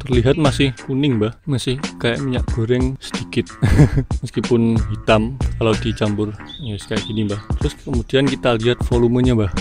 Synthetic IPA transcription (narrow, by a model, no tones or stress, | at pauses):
t̪ərliɦat̪̚masɪhkunɪŋbahmasɪhkaja̰ʔmiɲaʔɡ̥o̤ɾɛŋsə̥dikɪt̪̚məskipʊnɦit̪amkalawdit͡ʃambʊrjasə̥kajaʔɡ̥inibaht̪ɾʊskəmud̥iankit̪aliɦat̪̚foluməɲabah